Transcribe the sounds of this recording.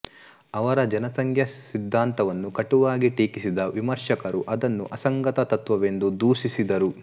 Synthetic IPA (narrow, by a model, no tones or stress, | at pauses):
ɐʋɐɾɐd͡ʒɐnɐsɐŋkʰjɐsid̪ʱːaːnt̪ɐʋɐnːukɐʈuʋaːɡiʈiːkisid̪ɐʋimɐɾʂɐkɐɾuʔɐd̪ɐnːṵʔɐsɐŋɡɐt̪ɐt̪ɐt̪ʋɐʋe̞nd̪ud̪uːʃisid̪ɐɾu